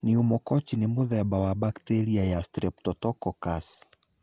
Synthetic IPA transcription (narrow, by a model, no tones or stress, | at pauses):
niumɔkɔt͡ʃinimuðajabawabaktɛɾiajastɾɛp̚tɔtɔkɔkas